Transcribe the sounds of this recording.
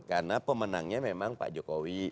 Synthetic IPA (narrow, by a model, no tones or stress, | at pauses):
karnapəmənaŋɲamemaŋpa̰ʔd͡ʒokowi